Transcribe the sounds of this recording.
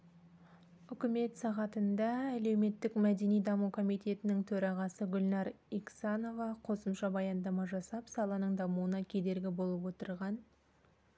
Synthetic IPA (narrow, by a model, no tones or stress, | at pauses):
ʏkʲɪme̞t̪sɑʁɑt̪ənd̪ɑæle̞wme̞t̪ːɪkmæd̪e̞nijd̪ɑmukʰo̞mijt̪e̞t̪ɪnɪŋt̪ʰɵɾɑʁɑsəɡʲʊlʲnɑɾ | iksano̞vɑqʰo̞səmʃɑbɑjɑnd̪ɑmɑʒɑsɑpsɑlˠɑnəɴd̪ɑmuwənɑkʲʰe̞d̪e̞ɾɡʲɪbo̞lˠəpwo̞t̪əɾʁɑn